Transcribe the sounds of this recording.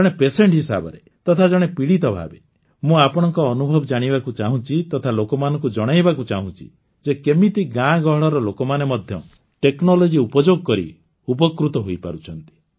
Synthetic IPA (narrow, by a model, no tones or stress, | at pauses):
d͡ʒɔɽepeseɳʈɦisa̰bɔ̰ɾe | t̪ɔt̪ʰad͡ʒɔɽ̃epiɽit̪ɔbʱa̰be | mũapɔɽ̃ɔŋkɔːnubʱɔbɔd͡ʒaɽ̃ibakut͡ʃaɦũt͡ʃʰit̪ɔt̪ʰalokɔmanɔŋkud͡ʒɔɽ̃ajbakut͡ʃaɦũt͡ʃʰḭ | d͡ʒekemit̪iɡãɡɔɦɔɭɔɾɔlokɔmanemɔd̪ʱjɔ | ʈeknɔlɔd͡ʒiupɔd͡ʒoɡɔkɔɾḭ | upɔkɾut̪ɔɦojpa̰ɾut͡ʃʰɔn̪t̪i̥